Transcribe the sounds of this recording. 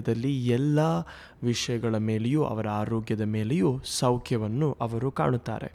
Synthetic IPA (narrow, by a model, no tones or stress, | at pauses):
d̪ɐlːiɛlːɐ | ʋiʂɐjɐɡɐɭɐme̞ːlejuːʔɐ̰ʋɐɾɐaːɾoːɡjɐd̪ɐme̞ːlejuːsɐwkʰjɐʋɐnːuʔɐʋɐɾuka̰ːɳut̪ːa̰ːɾe̞̰